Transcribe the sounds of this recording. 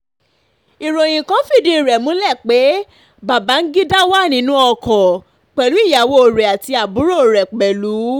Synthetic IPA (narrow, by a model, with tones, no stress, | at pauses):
i˨ɾo˨j̃ĩ˨kã˨˦fi˦˨di˧˨ɾɛ˨mũ˨˦lɛ˦˨k͡pe˨˦ | ba˨ba˨˦n̩˦ɡi˦da˦wa˦˨nĩ˨˦nũ˦ɔ˧˨kɔ̃˨ | k͡pɛ˨lu˨˦i˦˨ja˨wo˦o˨ɾɛ˨a˨ti˧a˨bu˨˦ɾo˦o˨ɾɛ˨k͡pɛ˨lu˨˦